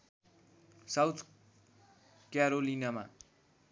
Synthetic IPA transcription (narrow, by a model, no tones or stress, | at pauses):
sawt̪ʰ | kjaɾolinama